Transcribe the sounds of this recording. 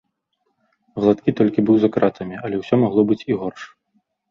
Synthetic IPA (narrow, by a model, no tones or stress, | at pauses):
vlˠat̪kʲit̪ɔlʲkʲibɨwzakɾat̪ʰɐmʲiɐlʲɛwsʲɔmaɣlˠɔbɨt͡sʲiɣɔrʂ